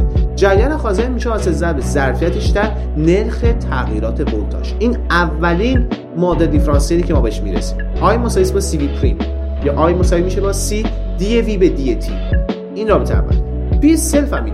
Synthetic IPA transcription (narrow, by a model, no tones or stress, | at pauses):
d͡ʒæɾjæːlæxɒːzeɾmiːʃeɒːsezæbezæɾfijæt̪ʰeʃd̪æɾ | ne̞ɾxe̞t̪ʰæɣiːɾɒːt̪ʰe̞bot̪ʰɒ̰ʃiːn | ævːæliːn | mɒːd̪eɾd̪ifɾɒːnseɾicʰe̞mɔːbeheʃmḭɾḛsi̥mʔɒːjmosɒːjisbɒsivipʰɾḭm | jɒːʔɒːjmosɒvimiʃebɒsid̪̥ieviːbed̪iet̪ʰḭ | inɾɒːbet̪ʰeæ̰mba̰ | pʰijeselfæmi